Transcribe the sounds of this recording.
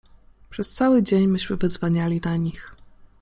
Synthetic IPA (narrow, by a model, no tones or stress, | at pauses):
pʂɛst̪sawɘd͡ʑeɲmɘɕmɘvɛzvaɲalʲinaɲix